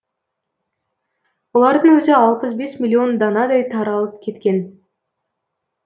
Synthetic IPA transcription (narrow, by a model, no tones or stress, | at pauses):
wolˠɑɾd̪ənwɵzɪɑlˠpəs̬be̞smʲilʲːio̞nd̪ɑnɑd̪ɑjt̪ʰɑɾɑlˠəp̚kʲʰe̞t̪kʲe̞n